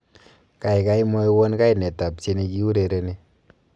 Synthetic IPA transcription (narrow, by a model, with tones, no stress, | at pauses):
ka˨jka˦jmɔ˦jwɔ˦nka˦jne˨ta˨p̚t͡ʃe˦ni˧ki˦u˦ɾe˨ɾe˨ni˦